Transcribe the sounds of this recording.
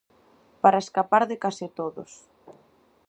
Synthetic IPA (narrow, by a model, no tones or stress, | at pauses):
paɾɐeskapaɾðɪkasɪt̪oðo̰s